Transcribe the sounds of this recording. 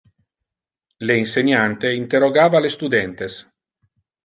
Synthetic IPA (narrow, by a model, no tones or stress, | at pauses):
leinseɲant̪eint̪eroɡaːvalest̪ud̪ɛnt̪es